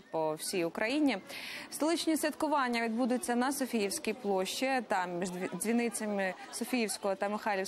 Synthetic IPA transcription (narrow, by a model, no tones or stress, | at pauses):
pɔwsʲijʊkɾɐjinʲist̪ɔlˠɪt͡ʃnʲisʋʲit̪kʊʋɑnʲːɐʋʲid̪bud̪ʊt͡sʲːɐnɐsɔfʲijiwsʲkʲijplˠɔʃt͡ʃit̪ɑmmʲiʒd͡zʲzʲʋʲinɪt͡sʲɐmɪ | sɔfʲijiwsʲkɔɦɔt̪ɐmɪxɑlʲi